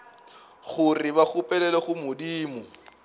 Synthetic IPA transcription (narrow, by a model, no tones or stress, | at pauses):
χʊrɪβaχʊpʼɛlɛlɔχʊmʊdiːmʊ